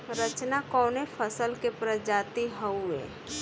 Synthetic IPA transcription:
ɾət͡ʃnakɔːnefʰəsəlkepɾəd͡ʒaːt̪iɦəuḛː

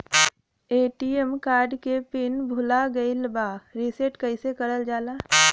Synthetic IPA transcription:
eːʈiemkaːɾɖkepɪnbʱʊlaɡəɪlbaːɾiseʈkəɪsekəɽəld͡ʒaːlaː

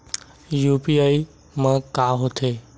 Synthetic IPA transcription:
juːpiaːi | mãkaːɦot̪ʰeː

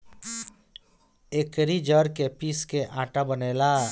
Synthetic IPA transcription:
eːkɾid͡ʒəɾkepiːskeʔãːʈabəneːlaː

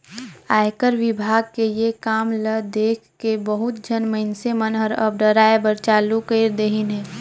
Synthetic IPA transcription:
aːjkəɾʋɪbʱaːɡ̚kejekaːmləd̪eːkʰkebəɦʊt̪̚d͡ʒənməɦɪnsemənɦəɾəb̚ɖəɾaːebəɾt͡ʃaːlukəɪɾd̪eɦinɦɛː

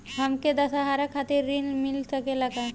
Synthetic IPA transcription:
ɦɐmked̪ɐsaɦaːɾakʰaːt̪iɾːinmɪlsɐkelɐɡa

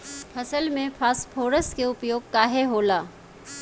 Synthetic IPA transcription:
pʰɐsəlmẽpʰaːspʰoːɾəskeʊpjoːɡ̚kaːɦeɦoːlaː

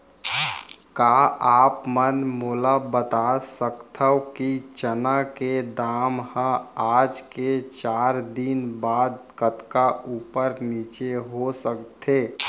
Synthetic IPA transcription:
kaːaːpmənmoːlabət̪asəkt̪ʰəwkit͡ʃənaked̪aːmhə̃aːd͡ʒket͡ʃaːɾd̪inbaːd̪̚kət̪kauːpəɾniːt͡ʃeɦosəkt̪ʰeː

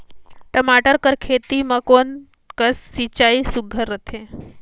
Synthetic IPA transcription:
ʈəmaʈəɾkəɾkʰet̪iməkon | kəsːit͡ɕaisuɡʱəɾət̪ʰe

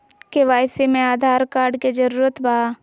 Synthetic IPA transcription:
keʋaːjsemẽaːd̪ʱaːɾkaːɾɖked͡ʒɐɾuːɾət̪bʱaː

